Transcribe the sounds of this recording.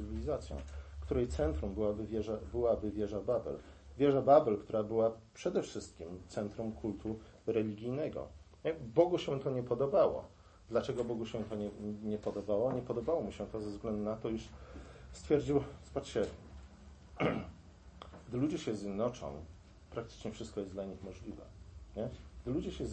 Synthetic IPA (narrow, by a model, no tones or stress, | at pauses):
ɘvʲilʲizat̪sʲjɔ̰̃w̃kt̪uɾɛjt̪sɛnt̪ɾumbɘwabɘvʲjɛʐabɘwabɘvʲjɛʐababɛ̰l | vʲjɛʐababɛlkt̪uɾabɘwapʂɛd̪ɛfʂɘst̪̚kʲimt̪sɛnt̪ɾumkʰult̪ʰu | ɾɛlʲiɡʲijnɛɡɔ̰ | bɔɡuɕɛ̃t̪ɔɲɛpɔd̪ɔbawɔ̰ | d̪lat͡ʂɛɡɔbɔɡuɕɛ̃t̪ɔɲɛɲɛpɔd̪ɔbawɔɲɛpɔd̪ɔbawɔmuɕɛt̪ɔzɛvzɡlɛnd̪unat̪ɔiʂst̪fʲjɛɾd͡ʑiwsbat͡ʂɕɛ | ɡ̥d̪ɘlud͡ʑɛɕɛzʲjɛd̪nɔt͡ʂɔ̰̃w̃ | pɾak̚t̪ɘ̥t͡ʂɲɛfʂɘst̪̚kɔjɛsd̪laɲixmɔʐlʲivɛ̰ɲɛɡd̪ɘlud͡ʑɛɕɛ